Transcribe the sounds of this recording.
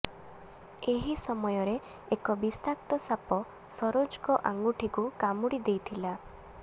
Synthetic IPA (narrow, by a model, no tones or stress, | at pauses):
eɦisɔmɔjɔɾeː | kɔbisak̚t̪ɔsapɔ | sɔɾod͡ʒkɔʔaŋɡuʈʰikukamuɽid̪ejt̪ʰila